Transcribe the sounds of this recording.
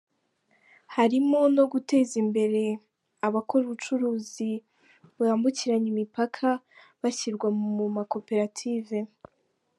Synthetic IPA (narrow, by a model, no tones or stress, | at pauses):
haɾimo̞no̞ɡute̞ːzimbe̞ɾe̞ | aβakʰo̞ɾuβut͡ʃuɾuːzi | βuaːmbuciɾaɲimipakʰa | βaçiɾɡwamumumako̞pe̞ɾatʰiːve̞